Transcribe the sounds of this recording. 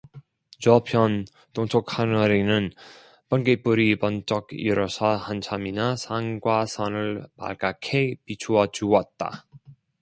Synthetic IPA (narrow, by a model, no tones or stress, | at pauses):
d͡ʑʌpʰjʌn | toŋt͡ɕʰokʰanʌɾinɯn | pʌnɡep͈uɾibʌnt͡ɕ͈ʌkḭɾʌsʰʌhant͡ɕʰaminasʰaŋɡwasʰʌnɯɭpa̰ɭk͈akʰepit͡ɕʰuʌd͡ʑuwʌt̚t͈a̰